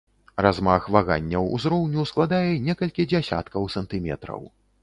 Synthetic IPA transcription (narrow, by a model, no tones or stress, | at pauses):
razmaxvaɣa̰nʲːɐwṵzɾɔwnʲusklˠad̪ajɛnʲɛkɐlʲkʲid͡zʲasʲa̰t̪kɐwsɐnt̪ɨmʲɛ̰t̪ɾɐ̰w